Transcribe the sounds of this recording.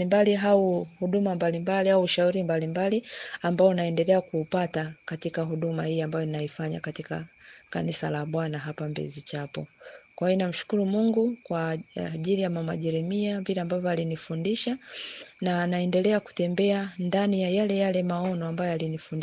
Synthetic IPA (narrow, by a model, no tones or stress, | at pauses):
limbaliɦauhuɗumambalimbaliauʃauɾimbalimbaliambaɔnaɛndɛlɛakuːpatakatikaɦuɗumahiːambajɔninaifaɲa̰katika̰ka̰nisa̰laɓwanaɦapambɛ̰zit͡ʃapɔ̰kwahiɔnam̩ʃu̥kuɾumuŋɡukwaʄilijamama̰ʄɛɾɛmiamviɾɛambavjɔalinifundiʃanaːnaɛndɛlɛaku̥tɛmbɛandanijajalɛjalɛmaɔnɔambajɔalinifun